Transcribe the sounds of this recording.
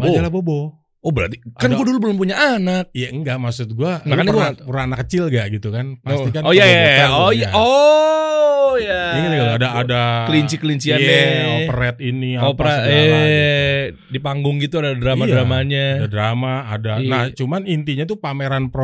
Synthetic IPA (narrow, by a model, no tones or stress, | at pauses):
mad͡ʒalabobɔ | obəɾa̰rt̪ikanɡuadʊlbəlʊmpuɲaʔanak̚jaəŋɡaʔmasʊt̪̚ɡuaakanapuɾanakːət͡ʃɪlɡaʔɡit̪ukanpast̪ikanojaaojao | jaaɲit̪ɡaladaːdakəliɲt͡ʃikəliɲt͡ʃianɛopəɾɛt̪̚iniaopaɾae | dipaŋɡʊŋɡit̪uadadɾamaɾamaɲaadadɾamaːdanaht͡ʃumanint̪iɲat̪upameɾanpɾo